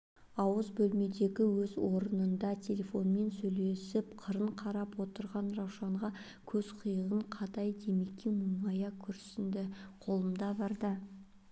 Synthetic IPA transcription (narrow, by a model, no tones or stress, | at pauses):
ɑwəzbɵlme̞d̪e̞ɡʲɪwɵzwo̞ɾənənd̪ɑt̪ʲʰe̞lʲe̞fo̞nme̞nsɵjle̞sɪpqʰəɾəɴqʰɑɾɑpwo̞t̪əɾʁɑnrɑwʃɑɴʁɑ | kʲʰɵzqʰʊjəʁəɴqʰɑt̪ɑjd̪e̞mekʲʰːemʊjmɑjɑkʲʰʏɾsɪnd̪ɪqʰo̞lˠəmd̪ɑbɑɾd̪ə